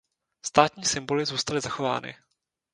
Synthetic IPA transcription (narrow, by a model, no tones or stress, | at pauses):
st̪aːt̪ɲiːsɪmbo̞lɪzuːst̪alɪzaxo̞va̰ːnɪ̰